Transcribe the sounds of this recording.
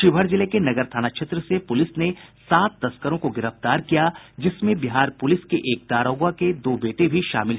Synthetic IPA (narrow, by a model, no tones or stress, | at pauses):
ʃɪbʱəɽzɪlekenɐɡəɾt̪ʰaːnakʃʰeːt̪ɾəsepʊlɪsnesaːt̪ːɐskəɾõkoɡɪɾəft̪aːɾkijad͡ʒɪsmẽbɪɦaːɾpʊlɪskeʔeːk̚d̪aːɾoːɡwaked̪oːbeːʈebʱiʃa̰ːmɪlɦ